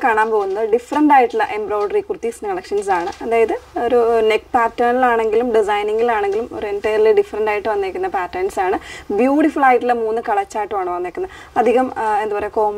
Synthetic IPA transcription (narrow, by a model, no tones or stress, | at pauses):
kaːɳaːmpo̞ːɣunːɐðɖifɐrɐɳɖaːjiʈːilːɐʔe̞mbroːɭɖɐrikurt̪ːisnkɐɭɐkʂɐnsaːɳɨɐðaːjɐðɨo̞ɾunekpaːʈːɐnilaːɳe̞ŋɡilumɖis̬ɐjniŋɡilaːɳe̞ŋɡilumo̞̰ɾuenʈɐjɐrliɖifɐrɐɳɖaːjiʈːɨʋɐnːeːkːunːɐpaːʈːɐnsaːɳɨbjuːʈifuɭaːjʈːilemuːnːɨkɐɭɐt͡ɕːaːjiʈːɨʋɐːɳɨʋɐnːeːkːunːɐ | ɐd̪ʱiɣɐme̞nd̪upɐreko̞ːm